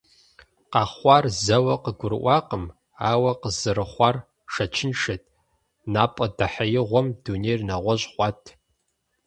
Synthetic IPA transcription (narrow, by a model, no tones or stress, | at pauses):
qɑːχʷɑrzɐwɐqəɡʷʊrʔʷɑːqəm | aːwɐqəzɨɾɨχʷɑːr | ʃɐt͡ʃʰɪnʃɐtʰʼ | naːpʼɐdɐħajɪʁʷɔmdunejrnaʁʷɔʑχʷɑtʰ